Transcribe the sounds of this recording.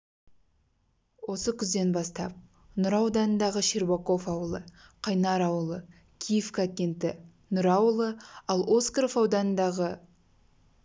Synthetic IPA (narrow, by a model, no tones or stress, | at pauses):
wo̞səkʲʰʏzd̪e̞nbɑst̪ɑp̚ | nʊɾɑwd̪ɑnənd̪ɑʁəʃerboko̞fɑwəlˠəqʰɑjnɑɾɑwəlˠə | kʲʰijfkakʲe̞nt̪ɪ | nʊɾɑwəlˠəɑlˠo̞skɾofɑwd̪ɑnənd̪ɑʁə